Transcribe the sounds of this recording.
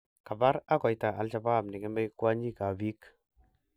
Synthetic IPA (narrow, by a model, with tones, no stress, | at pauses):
ka˨ba˦ɾa˦kɔ˨jta˨ʔa˨lʃa˨ba˦˨bni˨ke˦mbe˦jkwa˦ɲi˦ka˨vi˦k